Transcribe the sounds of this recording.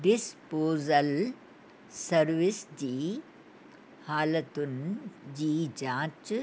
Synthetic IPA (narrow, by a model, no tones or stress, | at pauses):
ɖispoːzɐl | sɐɾʋisd͡ʒiː | haːlɐt̪und͡ʒiːd͡ʒãːt͡ʃ